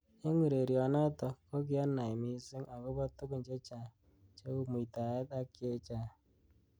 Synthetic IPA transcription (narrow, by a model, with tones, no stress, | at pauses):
e˦ŋʷi˨ɾe˨ɾi˨ɔ˨nɔ˦tɔ˨kɔ˦k̬ɪ˦a˦nːa˨ɪ˨mi˦sɪ˦ŋa˨kʊ˦bɔ˦tʊ˦kʊ˨n˨d͡ʒe˦t͡ʃa˨ | t͡ʃe˦u˦mu˨i˨ta˨e˦ta˦kɪ˦e˦t͡ʃa˦˨